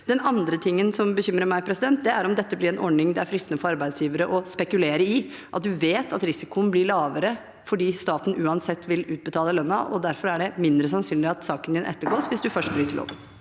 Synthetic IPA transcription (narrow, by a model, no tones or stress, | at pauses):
d̪ɛnɑnd̪ɾət̪ʰɪŋːənsɔmbəçʏmɾəɾmæɪpʰɾɛsɪd̪ɛnt̪̚d̪ɛæɾɔmd̪ɛt̪ːəblɪɾɛnʔɔɖnɪŋd̪ɛæɾfɾɪst̪nəfɔɾɑɾbæɪd̪sjiːʋəɾəʔɔspɛkʉleːɾəɪ | ʔɑt̪̚d̪ʉʋeːt̪ɑt̪ɾɪsɪkʊənblɪɭɑːʋəɾə | fɔɖiːst̪ɑːt̪n̩ʉːɑnsɛt̪ːʋɪlʉːt̪̚bət̪ʰɑːləlœnːɑʔɔd̪æɾfɔɾæɖɛmɪnd̪ɾəsɑnsyːnlɪɑt̪sɑːkənd̪ɪnʔɛ̰t̪ːəɡoːsʋɪsd̪ʉfœʂʈ̚bɾyːt̪ʰəlɔ̰m